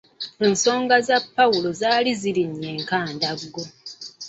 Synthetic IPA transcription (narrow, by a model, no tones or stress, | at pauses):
enso̞ːŋɡazapːawulo̞zaːliziɾiɲːeːŋkaːndaɡːo̞